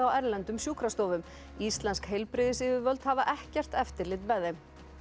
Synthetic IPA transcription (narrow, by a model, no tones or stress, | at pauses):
awɛɾlɛnt̪ʏmsjuːkɾast̪oːwvʏm | ist̪lɛnskhejlpɾɪðɪsɪːvʏɾvœlt̪havaʔɛhcɛr̥t̪ɛft̪ɪɾlɪt̪vɛðejm